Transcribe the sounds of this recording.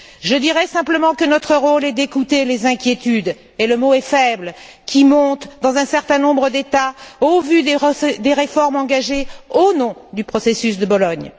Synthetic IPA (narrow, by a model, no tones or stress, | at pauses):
ʒəd̪iʁɛsɛ̃pləmɑ̃kənɔt̪χəʁolɛd̪ekut̪elezɛ̃kʲjet̪yd̪ | eləmoɛfɛbl | kʲimɔ̃t̪d̪ɑ̃zɛ̃sɛʁt̪ɛ̃nɔ̃bʁəd̪et̪aovyd̪ed̪eʁefɔʁmɑ̃ɡaʒeonɔ̃d̪ypχɔsesys̬d̪əbɔlɔɲ